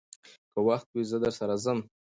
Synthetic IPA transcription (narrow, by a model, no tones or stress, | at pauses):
kəwaxt̪wizəd̪əɾsaɾazəm